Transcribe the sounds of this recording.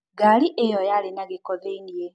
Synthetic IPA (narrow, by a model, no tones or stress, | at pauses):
ɡaliʔejɔjalenaɣekɔðeinie